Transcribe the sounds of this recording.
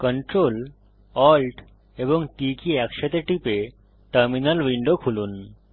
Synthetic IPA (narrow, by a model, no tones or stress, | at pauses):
kɔɳʈɾol | ɔlʈ | eboŋʈikiɛkʃat̪eʈipe | ʈəɾminalwiɳɖokʰulun